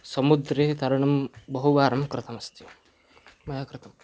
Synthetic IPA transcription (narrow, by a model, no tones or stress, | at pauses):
sɐmud̪ɾet̪ɐɾɐɳ̃ɐmbɐɦuʋaːɾɐmkɾɪt̪ʰɐmɐst̪ʰju | mɐjaːkɾɪt̪ʰɐm